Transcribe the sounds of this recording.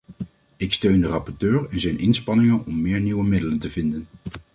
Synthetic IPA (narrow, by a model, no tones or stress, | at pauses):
ɪkstøɥndərɑpɔɹtøːɹɛnzɛjnʔɪnspɑnɪŋənɔmːɪːɹniʋəmɪdələntəvɪndən